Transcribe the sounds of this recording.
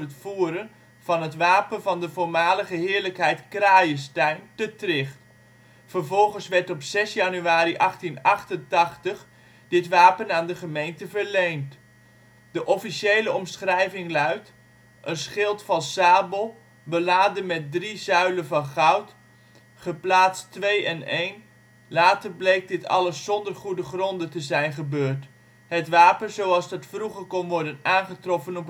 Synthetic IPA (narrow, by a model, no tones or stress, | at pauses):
ətfuːɾən | v̥ɑnɦətʋaːpənvɑndəvʊːɹmaːləχəɦɪːɹləkɦɛjtkraːjəstɛjntətrɪχt | fəɹvɔlˠχənsʋɛɹtɔpsɛsjɑnyaːɾiʔɑχtinɑχtəntɑχtəχ | dɪtʋaːpənaːndəχəmejntəvəɹlejnt | d̥əʔɔfiʃejləɔmsχrɛjvɪŋlœɥt | ʔənsχɪlˠtfɑnsaːbəlˠ | bəlaːdəmɛt̚drizœɥləvɑnχʌwt | χəplaːtstʋejɛnejn | laːtərblejk̚dɪtʰɑ̰ləsːɔndərχudəχrɔndətəzɛjnχəbøːɹt | ɦətʋaːpənzowɑlˠzdɑtfruχərkɔnʋɔɹdənaːnχətrɔfənɔp